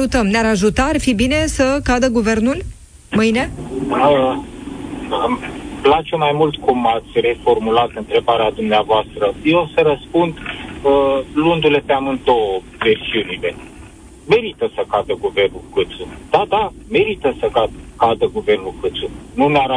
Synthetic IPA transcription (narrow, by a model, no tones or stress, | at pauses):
ut̪əmneaɾaʒut̪aːrfibine̞səkad̪əɡuve̞rnul | mɨjne̞ə | əplat͡ʃemajmult̪kumat̪sʲre̞fo̞rmulat̪ɨnt̪ɾe̞baɾead̪umneavoast̪ɾəjeosəɾəspund̪əlund̪ule̞p̪eamɨn̚d̪o̞wə | ve̞rsiunile̞ | me̞ɾit̪əsəkad̪əɡuve̞rnulkɨt̪sud̪̥ad̪ame̞ɾit̪əsəkad̪kad̪əɡuve̞rnulkɨt̪sununeaɾ